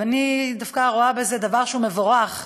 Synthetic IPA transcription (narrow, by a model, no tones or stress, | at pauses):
anid̪afkaʁoabezed̪avaʁʃeume̞vo̞ʁaχ